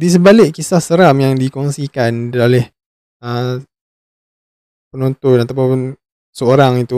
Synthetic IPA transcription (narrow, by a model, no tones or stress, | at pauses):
dis̬əbalɪʔkisahsəɾamjaŋdikɔŋsikandolɛh | ə | pənont̪ɔnat̪apʊn | səoɾaŋit̪u